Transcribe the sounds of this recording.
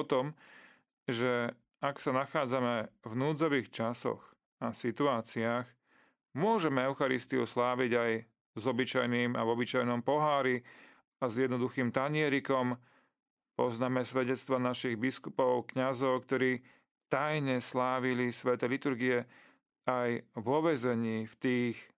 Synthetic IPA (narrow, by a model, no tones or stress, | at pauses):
ɔt̪ɔm | ʒɛ | aksanaxaːd͡zamɛvnuːd͡zɔʋiːxt͡ʃasɔ̰x | asit̪uaːt͡siaːx | mʊɔʒɛmɛɛʊxaɾist̪iṵslaːʋiɟaj | zɔbit͡ʃajniːma̰vɔbit͡ʃajnɔmpɔɦaːɾi | azjɛd̪nɔd̪uxiːmt̪aɲɪɛɾikɔm | pɔznaːmɛsʋɛɟɛt͡st̪ʋanaʃiɣbiskupɔʊkɲazɔʊkt̪ɔɾiː | t̪ajɲɛslaːʋilisʋɛt̪ɛlit̪uɾɡiɛ | ajvɔʋɛzɛɲiːft̪iːx